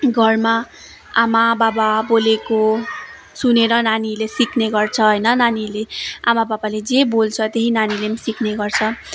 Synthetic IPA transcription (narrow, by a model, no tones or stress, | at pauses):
ɡʱʌrma | amabababoleko | suneɾʌnanilesikʰneɡʌrt͡sʰʌɦʌjnʌnanileamababaled͡zebolt͡sʰʌt̪eɦinanilemsikʰneɡʌrt͡sʰʌ